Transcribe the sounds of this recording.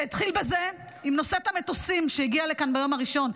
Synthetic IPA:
it̪χilbeze | imno̞set̪amet̪osimʃejiɡialekanbajo̞maʁiʃo̞n

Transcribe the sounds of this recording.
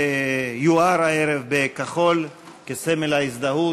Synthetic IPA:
juaɾaeɾevbekaχo̞l | kesemelais̬d̪aɦu

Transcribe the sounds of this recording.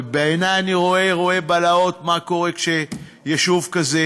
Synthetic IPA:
beenajaniʁo̞e̞ʁo̞e̞balao̞t̪mako̞ʁekʃe | jeʃuvkaze

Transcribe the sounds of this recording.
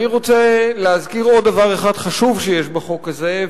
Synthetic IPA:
iʁot͡seleazkiʁo̞d̪dːavaʁeχadχaʃuvʃejeʃbaχo̞kaze

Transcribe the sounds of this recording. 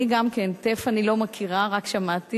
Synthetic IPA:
iɡamkentefanilo̞makʰiʁaʁakʃamat̪i

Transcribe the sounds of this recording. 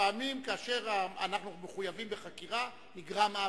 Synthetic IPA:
aːmimkaaʃe̞ʁaa̰naχnumeχujavimbeχakiʁa | niɡʁamaː

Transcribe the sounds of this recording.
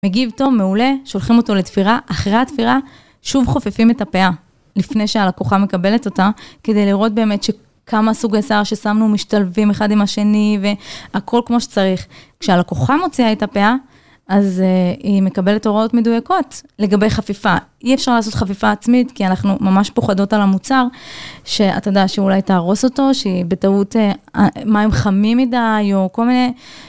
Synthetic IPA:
meɡivto̞vmeule̞ʃo̞lχimo̞to̞let̪fiʁaʔaχʁeat̪fiʁa | ʃuvχo̞fefime̞tapea | lifnejʃealakoχame̞kabe̞leto̞take̞de̞jliʁo̞t̚be̞ːme̞tʃe̞ | kʰamasuɡesaʁʃe̞samnumiʃtalvime̞χadimaʃe̞nive̞akʰo̞lkmoʃe̥t͡saʁiχkʃealakoχamo̞t͡siaetapea | azime̞kabe̞leto̞ʁao̞tmedujako̞tle̞ɡabe̞jχafifaiefʃaʁlaːso̞tχafifaːt͡smitkianaχnumamaʃpo̞χado̞talamut͡saʁʃe̞a̰todeaʃeulajtaːʁo̞so̞to̞ʃeibe̞tauteamaemχamimidajo̞ko̞lmine

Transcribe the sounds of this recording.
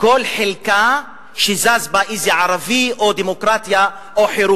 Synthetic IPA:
kolħelka | ʃizazbaʔizjaʕaɾaviʔod̪emokɾat̪ja | ʔoħeɾu

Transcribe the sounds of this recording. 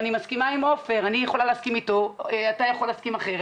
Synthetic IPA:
nimaskimaimofe̞ʁanijeχo̞laleaskimito̞atajaχolːeːskimaχeʁ

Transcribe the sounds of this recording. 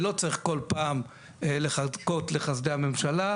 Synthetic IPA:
lo̞t͡saʁiχko̞lpaːm | eleχazko̞tle̞χasd̪eame̞mʃala

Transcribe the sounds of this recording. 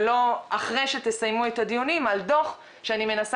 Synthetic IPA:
lo̞aχʁejʃet̪esajmuet̪ad̪ijunimald̪o̞χ | ʃeanime̞nas

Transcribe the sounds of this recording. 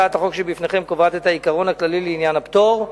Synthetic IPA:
aat̪aχo̞kʃebifne̞χe̞mkovat̪et̪haikaʁo̞naklalileinjanapt̪o̞ʁ

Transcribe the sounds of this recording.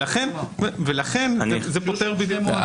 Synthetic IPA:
laχenvelaχe̞nznezepot̪eʁbid̪jukm

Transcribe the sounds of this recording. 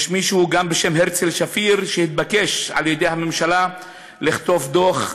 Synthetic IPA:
ʃmiʃuuɡambeʃemɦeʁt͡selʃafiʁʃehit̪̚bake̞ʃa̰ljed̪e̞jhamemʃala | liχt̪o̞fd̪oχ

